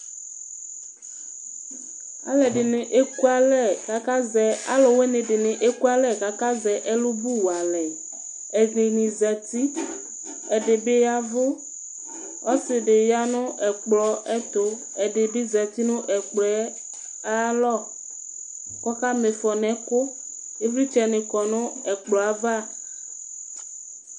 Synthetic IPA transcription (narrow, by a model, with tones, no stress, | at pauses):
a̰˨lɛ˨ɖe˨ne˨ʔe˦ku˦a˦lɛ˦˨ka˨ka˦zɛ˨a̰˦lɔ˨we˦nẽ˨ɖe˨nẽ˨ʔe˦ku˦a˦lɛ˦˨ka˨ka˦zɛ˨ʔe˦lo˦bu˦wa˨lɛ˨ | ɛ˨zẽ˨nĩ˨zɛ˨t̪i˦ | ɛ˨ɖe˨be˦ja˦vo˦ | ɔ˦sɪ˨ɖe˨ja˦nʊ̃˦ʔɛ˨k͡plɔ˨ɛ˦t̪o˦ | ɛ˨ɖe˨be˦zɛ˨t̪i˦nʊ̃˦ʔɛ˨k͡plɔ˨ɛ˦ | a˦lɔ˦˨ | kɔ˦ka˦me˨fɔ˨nɛ̃˨ko˦ | e˦vɾi˦t͡ʃɛ˨nẽ˨kɔ˨nʊ̃˦ɛ˨k͡plɔ˨a˨va˦˨